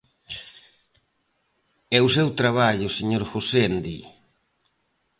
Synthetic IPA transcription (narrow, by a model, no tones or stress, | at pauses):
ɛusewt̪ɾaβaʎʊseɲoɾxusend̪i